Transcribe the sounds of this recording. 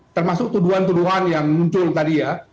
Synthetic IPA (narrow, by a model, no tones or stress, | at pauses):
t̪ərmasʊk̚t̪uduɦant̪uduɦanjaŋmuɲt͡ʃʊlt̪adija